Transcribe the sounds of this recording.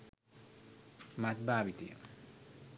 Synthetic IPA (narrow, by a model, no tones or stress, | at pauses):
mat̪̚baːbit̪ijə̰m